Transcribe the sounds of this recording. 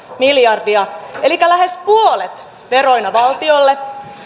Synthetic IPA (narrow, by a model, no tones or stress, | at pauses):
miljɑrdiɑelikːælæɦe̞spuole̞t̪ | ʋe̞ɾo̞inɑʋɑlt̪io̞lːe̞